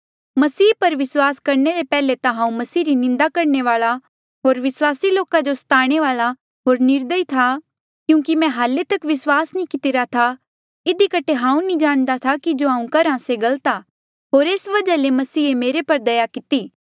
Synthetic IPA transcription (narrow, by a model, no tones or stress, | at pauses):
mɐsiːpɐɾʋɪswaːskɐɾneɾepɛːlet̪ãɦãːũmɐsiːɾinɪ̃nd̪akɐɾɳeʋaːla | ɦoːɾʋɪswaːsiloːkad͡ʒost̪aːɽ̃eʋaːla | ɦoːɾnɪɾd̪əit̪ʰa | kjũːkimɛ̃ɦaːlet̪ɐkʋɪswaːsnĩkɪt̪ɪɾat̪ʰa | ɪd̪ikɐʈʰeɦãːũnĩd͡ʒaːɽ̃d̪at̪ʰakid͡ʒoːãːũkɐɾãseɡɐlt̪a | ɦoːɾeːsʋɐd͡ʒalemɐsiːemeːɾepɐɾd̪ɐjakɪt̪iː